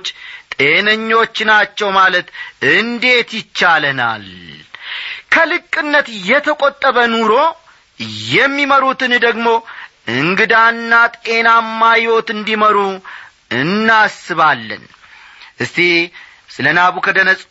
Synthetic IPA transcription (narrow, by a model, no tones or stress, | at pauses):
t͡ʃːt̪ʼe̞nəɲːo̞t͡ʃːnat͡ʃːɛwmalət̪ɨnd̪e̞t̪jɪt͡ʃːaləna̰l | kʰəlɨkʼːɨnːət̪jɛt̪ʰəkʼot̪ʼːəβənuɾo̞ | jɛmːiməɾut̪ɨnd̪əɡmo̞ʔɨŋɡɨd̪anːat̪ʼe̞namːajwo̞t̪ɨnd̪iməɾu | ɨnːasɨβalːə̰n | ʔɨst̪i | sɨlənaβukʰəd̪ənəsʼ